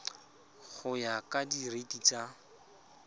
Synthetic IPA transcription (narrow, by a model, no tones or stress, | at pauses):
χʊjakadiretit͡sa